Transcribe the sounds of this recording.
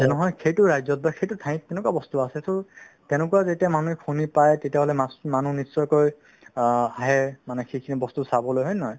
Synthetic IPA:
zɛnɛɦɔjkʰejtʊɹajzɔt̚baxʰejtʊtʰãj̃tɛnʊkuabɔst̪uasɛsɔ | tɛnʊkuazetiamanuɛkʰunipajtetijaɦɔlɛmasmanunisːɔjkoj | aɦɛmanɛxʰikʰinibɔst̪usabɔlojɦɔjnɔɦɔj

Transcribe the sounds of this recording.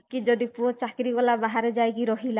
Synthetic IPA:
kid͡ʒod̪ipuɔt͡ʃakɾikɔlabaɦaɾed͡ʒajkiɾɔɦila

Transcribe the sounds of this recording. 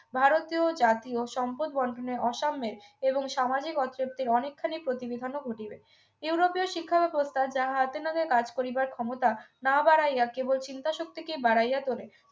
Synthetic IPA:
bʱaɾot̪iod͡ʑat̪ioʃɔmpod̪̚bɔɳɖʱoneɔʃamːeɾeboŋʃamad͡ʑikɔt̪ɾep̚t̪iɾɔnekʰːanipɾot̪ibed̪ʱanoɡʱoʈibe | juwɾopioʃikʰːabɛbost̪ʰad͡ʑaɦaat̪enaɡekad͡ʑkoɾibaɾkʰɔmot̪anabaɾajakebolt͡ɕint̪aʃok̚t̪ikebaɽajat̪oɾe

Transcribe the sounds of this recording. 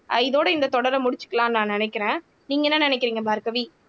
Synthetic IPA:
ɐ̰ɪðoːɽɐɪnd̪ɐt̪ɔɽɐɾɐmʊɽɪt͡ʃːɯ̥kːɐlãːnãːnɪnɛɪkːɪɾẽː | niːŋɡɐɛnːanɪnɛɪkːɪɾiːŋɡɐbaːɾkɐʋiː

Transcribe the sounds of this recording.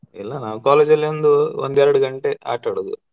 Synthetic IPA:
ilːanaːkukaːleːd͡ʒɐlend̪oo̰nd̪ɛːɾɐɽuɡɐɳʈeːa̰ːʈːɐːɽɐd̪ṵ

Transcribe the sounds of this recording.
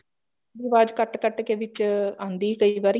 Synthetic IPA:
bɪʋaːd͡ʒkəʈkəʈkeːʋɪt͡ʃãːnd̪iːkəiʋaːɾi

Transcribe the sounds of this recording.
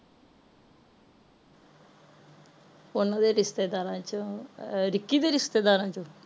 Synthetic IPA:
ʊnad̪eɾɪst̪eːd̪aːɾãːt͡ʃoɾɪkːid̪eɾɪst̪ed̪aːɾãːt͡ʃu

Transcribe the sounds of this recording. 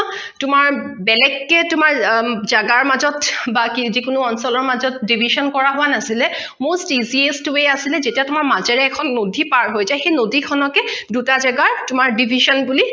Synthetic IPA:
tʊmaɹ | bɛlɛkːɛtʊmaɹzaɡaɹmazɔtbakizikʊnʊɔnsɔlɔɹmazɔt̚dibʱiʃɔnkɔɹaɦʊwanasilɛ | mostiziestuwejasilɛzetiatumaɹmazɛɹɛːkʰɔnːodʱipaɹɦojzajxejnodʱikʰɔnɔkɛdutazaɡaɹtʊmaɹdibʱiʃɔnbuli

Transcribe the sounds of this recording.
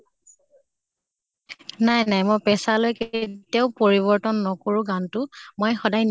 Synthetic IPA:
najnajmojpɛsalojketiaʊpoɹiβɔɹtɔnːɔkoɹuɡantʊmojxɔdajn

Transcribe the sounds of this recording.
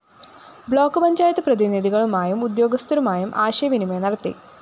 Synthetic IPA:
bɭo̞ːkːɨpɐɲd͡ʑaːjɐt̪ːɨprɐðiniðiɣɐɭumaːjumud̪jo̞ːɡɐst̪ʰɐɾumaːjumʔaːɕɐjɐʋinimenɐɽɐt̪ːḭ

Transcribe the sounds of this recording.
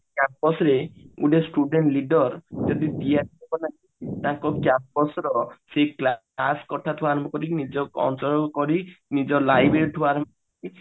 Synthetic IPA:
kjampɔsɾeuɖesʈuɖeɳʈliɖɔɾd͡ʒɔd̪id̪ijaʈiakɔnaɦĩt̪ãŋkɔkjampɔsɾɔsekla | askɔʈʰat̪ʰuaɾɔmbɔkɔɾinid͡ʒɔɔ̰nsɔɾkɔɾinid͡ʒɔlajbɾeɾit̪ʰuaɾɔmbɔkɔɾi

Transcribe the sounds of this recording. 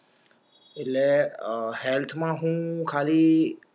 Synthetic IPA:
ɪlehelt̪ʰmãɦũkʰaːli

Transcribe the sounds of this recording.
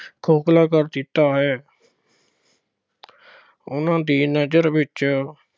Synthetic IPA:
kʰoːklaːkəɾd̪ɪt̪aːɦɛː | ʊnãːd̪iːnəd͡ʒəɾʋɪt͡ʃ

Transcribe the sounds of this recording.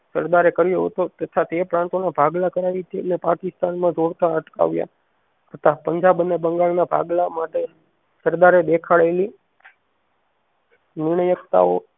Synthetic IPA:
səɾd̪aɾekəɾjoɦə̰t̪ot̪ət̪ʰat̪epɾãnt̪onabʱaɡlakəɾaʋit̪ʰiənepakɪst̪anmãd͡ʒoɽt̪aəʈka̰ʋja̰ | ət̪ʰapəɲd͡ʒabənːebəŋɡaɭnabʱa̰ɡlamaʈe | səɾd̪aɾed̪ekʰaɭeli | nɪɾɳəjəkt̪a̰o

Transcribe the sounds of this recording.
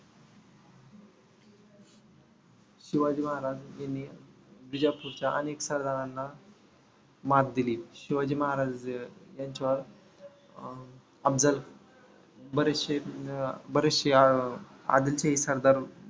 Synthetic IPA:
ɕiʋad͡ʑiːməɦaɾad͡zjanːi | d̪ud͡ʑapuɾt͡ɕjaʔə̰neksəɾd̪ʱaɾanːa | mat̪̚d̪iliːɕiʋad͡ʑiːməɦaɾad͡zjaɲt͡ɕaʋəɾ | əbd͡zəl | bəɾeɕe | bəɾeɕe | a̰d̪ilt͡ɕaɦisəɾd̪aɾ

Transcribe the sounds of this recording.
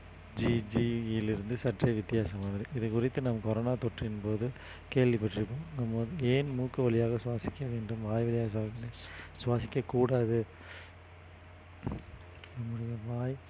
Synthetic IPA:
d͡ʒid͡ʒiɪlɪɾɯnd̪ɯsɐʈrɐʋɪt̪ːɪjaːsɐmaːnɐɾɯʔɪðɯkʊrɪt̪ːɯnɐmɐkɔɾoːnaːt̪ɔʈrɪnpoːðɯ | keːɭʋipɐʈːrɪpːoːmnɐmːɐðeːnmuːkːɐʋɐlɪjaːɣɐsʊʋaːsɪkʲːɐʋeːɳɖɯmʋaːjʋɐlɪjaːɣɐsaːsnesʊʋaːsɪkʲːɐkuːɽaːðɯ | nɐmːɯɽɐjɐʋaːj

